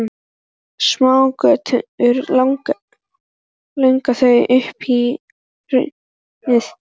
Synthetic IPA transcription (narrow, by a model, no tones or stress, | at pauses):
smaːwkœːt̪ʰʏɾlaŋk | lœɥŋkaθœɥʔʏhpi | ɾʏ̰ | ɪθ